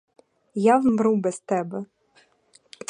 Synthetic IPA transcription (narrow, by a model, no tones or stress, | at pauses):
jawmɾubɛst̪ɛbɛ